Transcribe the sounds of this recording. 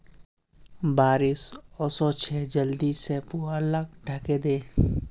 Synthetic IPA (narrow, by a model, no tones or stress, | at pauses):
baːɾisɔːsɔt͡ʃʰɛːd͡ʒəld̪isepuːɾələɡ̚ɖʱəked̪eː